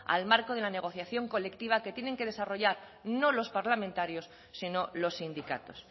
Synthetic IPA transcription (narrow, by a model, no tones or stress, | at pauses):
a̰lmaɾkoð̞e̞lane̞ɣ̞o̞θjaθjo̞ŋko̞le̞kt̪iβ̞ake̞t̪jene̞ŋke̞ð̞e̞saro̞ʝaɾ | no̞lo̞spaɾlamẽnt̪aɾjo̞sː | ino̞lo̞sːind̪ika̰t̪o̞s